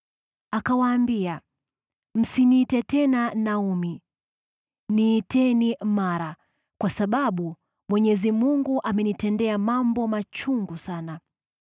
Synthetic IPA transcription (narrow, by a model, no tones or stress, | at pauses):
akawaːmbia | m̩siniːtɛtɛnanaumi | niːtɛnimaɾa | kwasaɓaɓu | mwɛɲɛzimuŋɡuʔamɛnitɛndɛamambɔmat͡ʃuŋɡusana